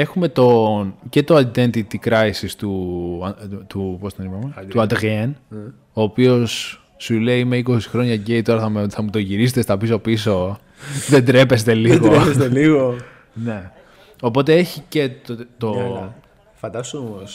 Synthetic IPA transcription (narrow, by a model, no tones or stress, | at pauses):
e̞xume̞t̪o̞nce̞t̪oɐt̪d̪ent̪it̪ikɾɐisist̪u | t̪upost̪nnimɐmt̪uɐd̪ɣen | oːpio̞sː | ule̞iime̞iko̞si̥xɾo̞ɲɐɟeit̪o̞ɾɐθɐmθɐmut̪oʝiɾis̬et̪est̪ɐpiso̞piso̞ | ðend̪ɾepe̞st̪e̞liɣod̪ɾepest̪eliɣo | ne̞ | o̞po̞t̪e̞e̞çice̞t̪t̪o | fɐnd̪ɐst̪mos